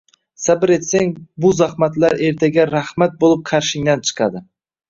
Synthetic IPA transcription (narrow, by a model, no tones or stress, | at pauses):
sabɪɾe̞t̪saŋbʊzahmat̪laɾe̞ɾt̪ʰaɡʲaɾahmat̪̚bolˠɪp̚qʰaɾʃɪŋd̪ant͡ʃʰɨ̥qʰɑd̪ɪ